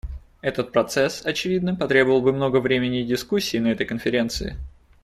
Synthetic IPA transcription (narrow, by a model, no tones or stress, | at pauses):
ɛt̪ət̪̚pɾɐt̪sɛsɐt͡ɕɪvʲid̪nɨmpɐt̪ɾʲe̞bəvəlˠbɨmno̞ɡəvɾʲemʲɪnʲɪdʲɪskusʲːɪːnɐɛt̪əjkənfʲɪɾʲe̞nt̪sɨɪ̰